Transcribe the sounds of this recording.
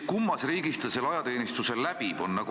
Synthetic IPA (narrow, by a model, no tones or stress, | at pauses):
kumːɑsriːɡ̥ist̪ɑse̞lːɑjɑt̪e̞ːnist̪use̞lːæb̥ibo̞nːɑɡ